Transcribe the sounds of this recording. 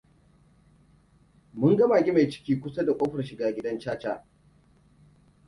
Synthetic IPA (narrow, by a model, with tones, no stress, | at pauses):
mʊ˦ŋɡɐ˦ma˨ɡʲɪ˦ma˨jt͡ʃɪ̥˦kʲiː˦kʷʊ˦sa˦da˨kʷʼoː˦ɸɐ˨rʃɪ˨ɡaː˨ɡʲɪ˦dɐ˦nt͡ʃaː˦t͡ʃa̰ː˨